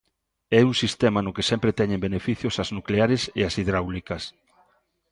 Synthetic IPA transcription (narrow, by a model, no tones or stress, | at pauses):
ɛuŋsist̪ɛmɐnʊkesɛmpɾet̪ɛɲẽmbenefiθjosɐznukleaɾesḛasiðɾawlikɐs